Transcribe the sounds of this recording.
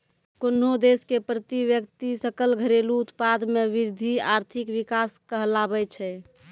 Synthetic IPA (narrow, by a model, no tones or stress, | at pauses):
konod̪eskepɾət̪iʋjəkt̪isəkəlɡʱəɾeluːt̪pad̪meʋiɾd̪ʱiaɾt̪ʰikʋikaskəɦəlabɛt͡ʃʰɛ